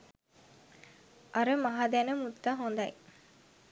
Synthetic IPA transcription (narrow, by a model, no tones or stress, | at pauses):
ʔɐɾəmɐɦad̪ænəmut̪ːaɦond̪ɐj